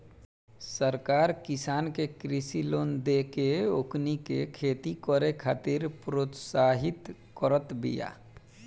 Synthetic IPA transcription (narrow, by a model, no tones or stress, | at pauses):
səɾkaːɾkɪsaːnkekɾisiloːnd̪ekeoknikekʰeːt̪ikɔɾekʰaːt̪iɾpɾot̪saːɦɪt̪ | kəɾət̪bḭja̰ː